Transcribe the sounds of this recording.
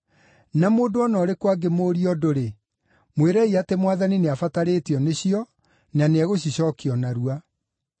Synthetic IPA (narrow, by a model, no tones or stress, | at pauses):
namoːndoɔnɔɾekwaɡemoːɾiɔdoɾe | mweɾɛiatemwaðanineafataɾetiɔneɕiɔ | naneɛɣoɕiɕɔkiɔnaɾua